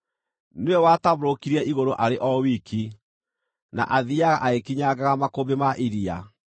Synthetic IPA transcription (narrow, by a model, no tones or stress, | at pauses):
nwɛwataβɾokiɾiɛʔiɣoɾoʔaɾeʔɔwikʰi | na̰ʔaðiaɣaʔaekiɲaɡaɣamakobemaʔiɾia̰